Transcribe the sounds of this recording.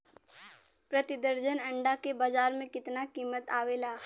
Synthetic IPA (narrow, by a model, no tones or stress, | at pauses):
pɾət̪ɪd̪əɾd͡ʒənɐ̃ɳɖakebaːd͡ʒaːɾmẽkɪt̪nakiːmət̪aːʋeːlaː